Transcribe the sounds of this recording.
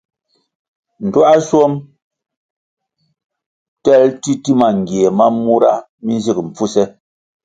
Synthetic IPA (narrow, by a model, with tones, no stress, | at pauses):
n̩˨twa˦ʔa˦sɔ˦m | tɛ˦˨lti˦ti˦ma˨ŋ̩˨ɡje˨ma˦mːu˦ɾa̰˦ | mi˦n˦zi˦km̩˨p͡fu˦sɛ˦